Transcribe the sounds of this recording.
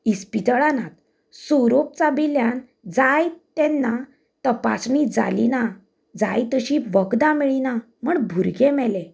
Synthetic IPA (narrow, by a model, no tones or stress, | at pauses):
ispit̪əɭanat̪ | soɾop̚t͡sabiljan | d͡zajt̪ɛ̃nːa | t̪əpa̰snid͡za̰lḭna | d͡za̰jt̪əɕiʋəɡd̪amiɭina | m̤əɳbʱuɾɡẽmɛlẽ